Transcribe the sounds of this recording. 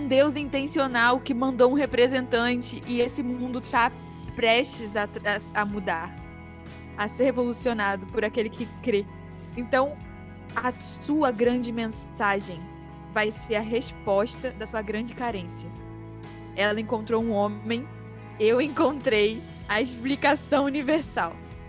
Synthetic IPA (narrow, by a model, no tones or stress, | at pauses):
ũd̪ewzĩnt̪ẽsionawkɪmɐ̃nd̪owũɦepɾezẽnt̪ɐ̃t͡ʃɪʔɪesɪmũnd̪ʊt̪a | pɾɛʃt͡ʃɪzat̪aɐmud̪aɾ | ɐseɾhevolusionad̪ʊpʊɾakelɪkʰɪkɾe | ẽnt̪ɐ̃w̃ | ɐsuɐɡɾɐ̃d͡ʒɪmẽs | aʒẽj̃ | vajseɾɐɦeʃpɔʃt̪ɐd̪ɐsuɐɡɾɐ̃nd͡ʒɪkaɾẽsiɐ | ɛlɐẽŋkõnt̪ɾowũõẽj̃ | ewẽŋkõnt̪ɾej | ɐeʃplikasɐ̃w̃univeɾsaw